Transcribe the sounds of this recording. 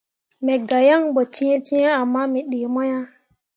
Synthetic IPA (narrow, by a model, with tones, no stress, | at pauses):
mɛ˨ɡa˨ja˦ŋɓo˨t͡ʃi˦e˦t͡ʃi˦e˦a˨mːa˦mɛ˨ɗe˨mo˦ja˦